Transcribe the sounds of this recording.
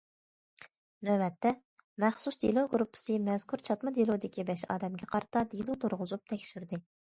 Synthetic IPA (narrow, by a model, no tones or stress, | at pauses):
nɛbɛt̪ːɛ | mɛχsusd̪ḭlˠuɡɾupʰːɨ̥sɨmɛzkʰuɾt͡ʃʰɑt̪mɨd̪ilˠud̪ɪkʲibɛʃɑ̰ːd̪ɛmɡʲɛqʰɑɾɨt̪ʰɑd̪ilˠut̪ʰoɾʁʊzup̚t̪ʰɛkʲsyɾd̪ɪ